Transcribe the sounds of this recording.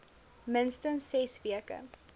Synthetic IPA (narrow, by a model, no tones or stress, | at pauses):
mənstənsːɛsviəkə̰